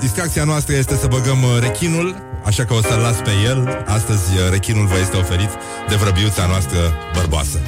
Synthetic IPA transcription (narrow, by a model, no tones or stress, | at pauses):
d̪isk̪ɾakt̪sianoast̪ɾəje̞st̪e̞səbəɡəmre̞kʲinul | aʃakəo̞səllat̪sʲpe̞je̞last̪əzʲɾe̞kʲinulvəje̞st̪eo̞fe̞ɾit̪ | d̪e̞vɾəbiut̪sanoast̪ɾəbərboa̰sə